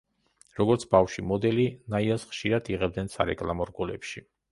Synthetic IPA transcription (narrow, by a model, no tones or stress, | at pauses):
ɾɔɡɔɾt̪sʰbafʃimɔd̪ɛlinaiɛsχʃiɾad̪iʁɛbd̪nɛnsa̰ɾɛkʼlˠamɔɾɡɔlɛ̰pʃi